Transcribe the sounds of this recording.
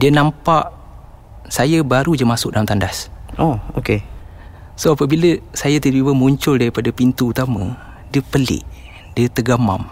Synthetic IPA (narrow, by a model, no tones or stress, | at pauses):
diənampaʔ | sajəbaɾud͡ʒəmasʊk̚dalamt̪andasooke | soapəbiləsajat̪ədbibəmuɲt͡ʃʊldaɾipadapint̪uːt̪amə | diəpəlɪ̰ʔ | diət̪əɡama̰m